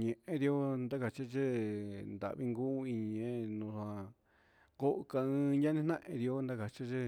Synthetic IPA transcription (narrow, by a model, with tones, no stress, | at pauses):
ɲẽ˨ʔẽ˦ði˧o˦nd̪a˦ka˨t͡ʃa˦t͡ʃe˦nd̪a̰˨ʔβi˦ŋɡu˦i˧ɲĩ˧ẽ˦nũ˧sã˧ | ko˦ʔka˧ɨ̃ː˧ɲa˦nĩ˦n̥ã˦ʔḛ̃˧ði˧o˦nd̪a˦ka˨t͡ʃa˦t͡ʃe˦